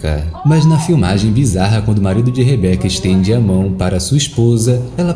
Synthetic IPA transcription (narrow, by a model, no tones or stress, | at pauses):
kɐ̰mɐznɐfiwmaʒẽj̃bizaɦɐkwɐ̃nd̪ʊmaɾid̪ʊd͡ʒɪɦebɛkɐɪʃt̪ẽnd͡ʒɪamɐ̃w̃paɾɐsuɐiʃpozɐɛlɐ